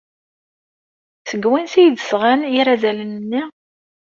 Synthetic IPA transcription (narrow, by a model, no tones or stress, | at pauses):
səɡwinsijd̪əsʁæniɾæzælənnːi